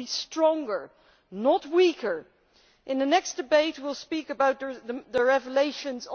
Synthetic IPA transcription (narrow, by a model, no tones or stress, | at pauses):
istɹ̥ɔ̃ŋɡə˞ | nət̚wikʰə˞ | ʔɨ̃nðɨnɛksd̥ɨbeɪt̚wilˠspikəbaʊt̪̚əððəɹɛvəleɪʃɨ̃nz